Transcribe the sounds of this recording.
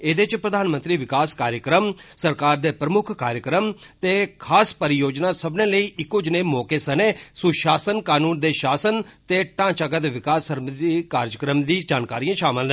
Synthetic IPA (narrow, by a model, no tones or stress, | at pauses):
eːd̪eːt͡ʃpɾəd̪aːnmə̃nt̪ɾiːʋɪkaːskaːɾjəkɾəmsəɾkaːɾd̪eːpɾəmʊkʰkaːɾjəkɾəmt̪eːkʰaːspəɾɪjoːd͡ʒnaːsəbnẽːləiːʔɪkːoːd͡ʒneːmɔːkeːsəneːsʊʃaːsənkaːnũːnd̪eːʃaːsənt̪eːʈãːt͡ʃaːɡət̪ʋɪkaːsəɾməd̪iːkaːɾd͡ʒəkɾəmd̪iːd͡ʒaːnkaːɾiːãːʃaːməl